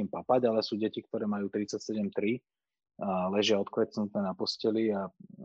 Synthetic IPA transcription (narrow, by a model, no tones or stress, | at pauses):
impapaɟalɛsuːɟɛcik̚t̪ɔɾɛːmajuːt̪ɾit͡sacsɛɟɛmt̪ɾi | lɛʒɪaɔt̪kʋɛt͡snut̪̚nɛːnapɔscɛlia